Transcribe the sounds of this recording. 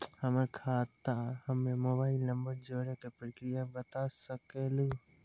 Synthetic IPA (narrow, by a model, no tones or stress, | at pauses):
həməkʰaːt̪ahəmemoːbaːɪlnɐmbəɾd͡ʒoːɾekepɾəkɾijabət̪asəkelu